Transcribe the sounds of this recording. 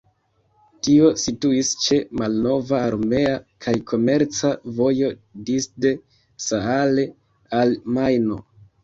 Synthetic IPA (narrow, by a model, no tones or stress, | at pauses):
tio̞situist͡ʃe̞malno̞vaːɾme̞akʰajkʰo̞me̞ɾt͡savo̞jo̞disde̞ | saale̞ | almajno̞̰